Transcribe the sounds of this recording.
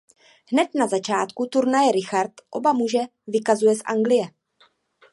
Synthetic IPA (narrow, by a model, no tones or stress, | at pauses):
ɦnɛt̪nazat͡ʃaːt̪kut̪uɾnajɛɾɪxaɾt̪ʔo̞̰bamuʒɛvɪkazujɛsʔa̰ŋɡlɪjɛ